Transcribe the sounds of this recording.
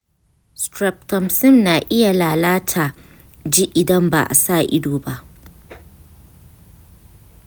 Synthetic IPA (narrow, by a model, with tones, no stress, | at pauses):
stɾɛ˨p̚tɐ˨msɪ˦mnaː˨ʔɪ˦ja˨laː˨laː˦tʰaː˨ | d͡ʒi˦ʔɪ˨dɐ˦mba̰ː˨ʔa̰˨saː˦˨ʔɪ˦doː˨ba˦ʔ